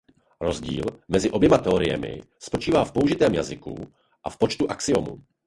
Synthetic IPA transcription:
ɾozɟḭːlmɛzɪʔo̞bjɛmat̪ɛoɾɪjɛ̰mɪ̰ | spo̞t͡ʃiːvaːfpo̞uʒɪt̪ɛːmjazɪkṵ | ʔafpot͡ʃt̪uʔaksɪomṵ

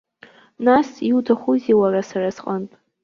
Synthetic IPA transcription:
nasiutʰaχʷuziwarasarasqʼənpʼ

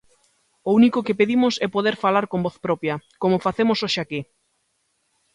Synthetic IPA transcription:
ounikokepeðimʊsɛpoðeɾfalaɾkombɔθpɾɔpjɐkomofaθemosoʃake

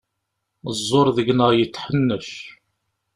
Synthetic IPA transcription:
zˤːoɾˤðəʝnəʁjət͡sːħənːəʃ

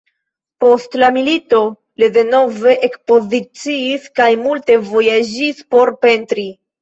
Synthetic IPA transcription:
po̞stlamilito̞ | lide̞no̞ve̞ʔekspo̞zit͡siːskajmulte̞vo̞jad͡ʒispo̞ɾpe̞ntɾi

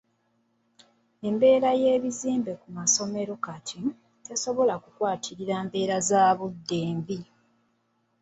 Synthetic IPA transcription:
e̞mbe̞ːɾaje̞ːβiziːmbe̞kumaso̞me̞ɾokatʰi | te̞so̞βo̞lakukwaːtʰiɾiɾaːmbe̞ːɾazaːβudːeːmbi

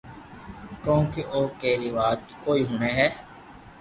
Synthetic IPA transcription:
kõːkeʔoːkeːɾiːʋaːt̪koːiːɦʊːneːɦɛː

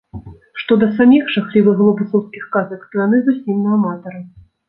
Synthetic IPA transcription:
ʂt̪ɔd̪ɐs̬amʲixʂaxlʲivɨɣlˠɔbɨsɔwskʲixkazɐkt̪ɔjanɨzusʲimnɐamat̪ɐɾɨ

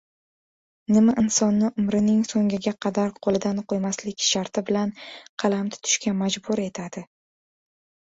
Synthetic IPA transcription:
nɪmaʔɪnsɒnːɪʔʊmɾɪnɪŋsoŋɡʲɪɡʲaqʰɑd̪aɾqʰolˠɪd̪anqʰojmaslɪkʲʃaɾt̪ʰɪbɪlanqʰɑlˠamt̪ʰʊ̥t̪ʰʊ̥ʃkʲamad͡ʒbʊɾe̞t̪ʰad̪ɪ

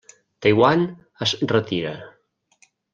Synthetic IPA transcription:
t̪ajwan | əzrət̪iɾə

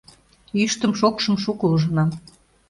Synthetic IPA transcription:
yʃt̪əmʃokʃə̆mʃukəuʒə̆nɑm

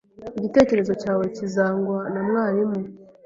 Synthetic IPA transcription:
iɟite̞ːce̞ɾe̞zo̞caːwe̞cizaːŋɡwanamŋaːɾime

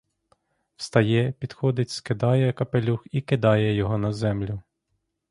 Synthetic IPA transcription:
wst̪ɐjɛpʲid̪xɔd̪ɪtʲskɪd̪ɑjɛkɐpelʲuxikɪd̪ɑjɛjɔɦɔnɐzɛmlʲʊ

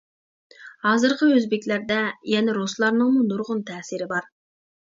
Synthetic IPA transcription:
hɑːzɨɾqʰəøzbɪkʲlæɾd̪ɛjɛnɪɾoslˠɑɾnɨŋmunuɾʁʊnt̪ʰɛsɪɾɪbɑɾ

